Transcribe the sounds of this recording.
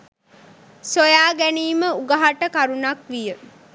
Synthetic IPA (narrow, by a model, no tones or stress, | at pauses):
sojaːɡæniːməuɡaɦaʈəkaɾunakʋijə